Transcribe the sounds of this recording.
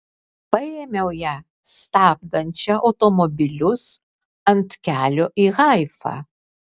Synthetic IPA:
pɐjeːmʲɛʊjæː | st̪ɑːb̚d̪ɐnʲt͡ʃʲɛʔɐʊt̪ɔmɔbʲɪlʲʊs | ɐnt̪kʲæːlʲoːʔiːɣɑˑɪfɑ̰

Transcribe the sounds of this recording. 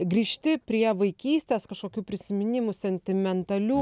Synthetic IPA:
ɡɾʲiːʃʲt̪ʲɪpʲɾʲiɛʋɐɪkʲiːsʲt̪ʲeːskɐʃkoːkʲuːpʲɾʲɪsʲɪmʲɪnʲɪmʊsʲɛnʲt̪ʲɪmʲɛnt̪ɐlʲuː

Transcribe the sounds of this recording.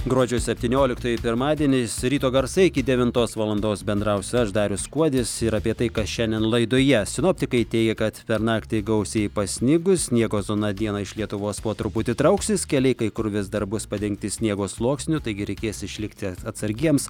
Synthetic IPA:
ɡɾuɔd͡ʒʲɛʊsʲɛpʲt̪ʲiːnʲoːlʲɪkt̪oːjɪpʲɪɾmɑːd̪ʲiɛnʲɪsɾʲiːt̪oːɡɐɾsɐɪɪkʲɪd̪ʲɛʋʲɪnt̪oːsʋɐlˠɐnd̪oːsbʲɛnd̪ɾɐʊsʲɐʃd̪ɑːɾʲʊskuɔd̪ʲɪsɪɾɐpʲiɛt̪ɐɪkɐsʃʲɛnʲd̪ʲɛnlˠɐɪd̪oːjɛsʲɪnoːpʲt̪ʲɪkɐɪt̪ʲɛɪɡʲɛkɐt̪pʲɛɾnɑːkt̪ʲɪɡɐʊsʲeɪpɐsʲnʲɪɡʊsʲnʲiɛɡoːzoːnɐd̪ʲiɛnɐɪʃlʲiɛt̪ʊʋoːspoːt̪ɾʊpʊt̪ʲɪt̪ɾɐʊksʲɪskʲɛlʲɛɪkɐɪkʊɾʋʲɪsd̪ɐrbʊspɐd̪ʲɛŋk̚t̪ʲɪsʲnʲiɛɡoːslˠuɔksʲnʲʊt̪ɐɪɡʲɪɾʲɛɪkʲeːsɪʃʲlʲɪkt̪ʲɪɐt̪sɐɾʲɡʲiɛms

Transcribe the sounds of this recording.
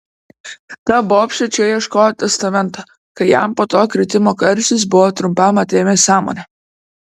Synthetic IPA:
t̪ɐboːpʲʃʲɛt͡ʃʲɛjiɛʃkoːjot̪ʲɛst̪ɐmʲɛnt̪ɐ | kɐɪjæˑmpoːt̪oːkɾʲɪt̪ʲɪmoːkɐɾʲsʲɪs̬bʊʋoːt̪ɾʊmʲpʲɐmɐt̪ʲeːmʲeːsɑːmo̰ːnʲɛ

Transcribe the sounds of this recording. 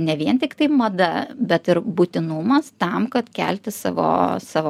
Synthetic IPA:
nʲɛʋʲiɛnt̪ʲɪkt̪ɐɪmɐd̪ɐbʲɛt̪ɪɾbʊt̪ʲɪnumɐst̪ɐmkɐt̪kʲæ̰ːlʲt̪ʲɪssɑ̰ːʋo̰ːsɑːʋo

